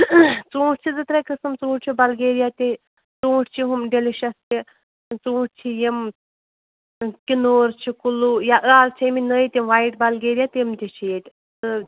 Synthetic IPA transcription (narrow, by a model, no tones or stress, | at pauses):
t͡sũːʈt͡ʃʰid͡zɨt̪ɾakɨsɨmt͡sũːʈʲt͡ʃʰibɐlɡeːɾjat̪ʲi | t͡sũːʈʰt͡ʃʰiɦumɖeliʃɐst̪i | t͡sũːʈt͡ʃʰijim | kinoːɾt͡ʃʰikulujaʔɨaːzt͡ʃʰiminəjt̪imʋajiʈbɐlɡeːɾijat̪ʲimt̪ʲit͡ʃʰijet̪ʲ | ɨ